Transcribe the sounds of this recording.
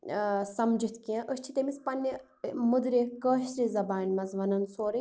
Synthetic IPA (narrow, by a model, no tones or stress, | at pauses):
sɐmd͡ʒʱit̪ʰkiɐ̃ʔəʃt͡ʃʰit̪emispɐnʲːi | mud̪ɾekəːʃɾizɐbaːnʲmɐzʋɐnɐnsoːɾi